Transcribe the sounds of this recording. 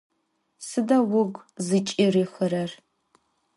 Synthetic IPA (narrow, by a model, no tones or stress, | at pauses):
sɨdɐwʊɡʷzɨt͡ʃʼiriːxəɾɐr